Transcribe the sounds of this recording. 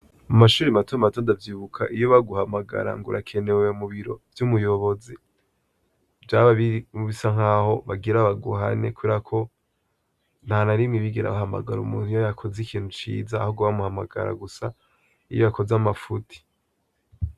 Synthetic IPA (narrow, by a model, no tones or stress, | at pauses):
mumaʃuːɾimatumatoːndavjiːβukʰa̰ʔijoβaɡuhamaɡa̰ɾa̰ŋɡṵɾakʰe̞ne̞weumuβiɾo̞vjumujo̞βo̞zi | vjaːβaβimuβisaŋ̥aːho̞βaɡiɾaβaɡuɦa̰ne̞̰kuβeɾakʰo̞ | n̥hanaɾimŋiβiɡeɾa̰βahama̰ɡaɾṵmuːn̥hujajakʰo̞zikiːn̥hut͡ʃḭːzahoɡuβamuhamaɡa̰ɾa̰ɡusa | ijojakʰo̞zamafutʰi̥